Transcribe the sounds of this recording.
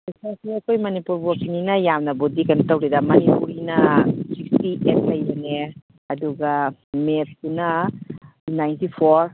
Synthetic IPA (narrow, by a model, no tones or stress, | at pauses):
kɐsasiɐkʰojmɐnipuɾbokininɐjamnɐbodikɐntɐwɾedɐmɐnipuɾinɐsik̚stiʔet̚lɐjene | ɐduɡamet̚tunɐ | najntipʰoɾ